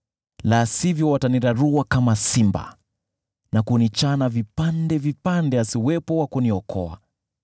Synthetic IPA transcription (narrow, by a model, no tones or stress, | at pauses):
lasivjɔwataniɾaɾuwakamasimba̰ | nakunit͡ʃanavipandɛvipandɛasiwɛpɔwakuniɔkɔ̰a̰